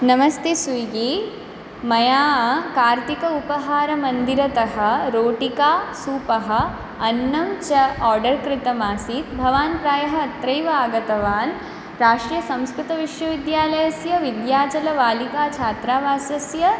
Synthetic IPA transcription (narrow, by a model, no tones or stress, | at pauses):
nɐmɐst̪esuɡe | mɐjaːɐkaːɾt̪ikɐupɐɦaːɾɐmɐnd̪iɾɐt̪ɐɦɐ̆ɾoːʈikaːsuːpɐɦɐ̆ | ɐnːɐmt͡ʃɐaːɾɖɐɾkɾɪt̪ɐmaːsit̪bʱɐʋaːnpɾaːjɐɦɐ̆ɐt̪ɾɐjʋɐaːɡɐt̪ɐʋaːn | ɾaːʂɾjɐsɐ̃mskɾut̪ɐʋiʂʋɐʋid̪jaːlɐjɐsjɐʋid̪jaːt͡ʃɐlɐʋaːlikaːt͡ʃʰaːt̪ɾaːʋaːsɐsjɐ